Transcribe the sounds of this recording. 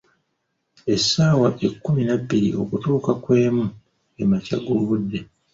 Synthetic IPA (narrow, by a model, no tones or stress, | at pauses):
e̞sːaːwaʔe̞kːuminabːiɾiʔo̞̰kutuːkakwe̞ːmu | e̞macaɡuluβudːe̞